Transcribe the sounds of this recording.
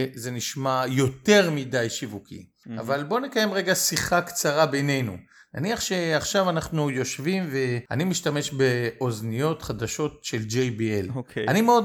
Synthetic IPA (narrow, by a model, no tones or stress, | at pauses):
ze̞niʃmajo̞te̞ʁmidajʃivukḭ | a̰valbo̞nekaje̞mʁeɡasiχakt͡saʁabe̞jne̞jnṵ | na̰niaχʃe̞aχʃavanaχnujo̞ʃvimve̞a̰nimiʃtame̞ʃbe̞ʔo̞znijo̞tχadaʃo̞t̚ʃe̞ld͡ʒejbielanimeo̞d